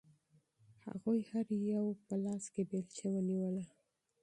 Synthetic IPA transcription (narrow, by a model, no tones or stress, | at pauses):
ha̰ɣojhaɾjawpəlɑskebelt͡ʃewəniwəla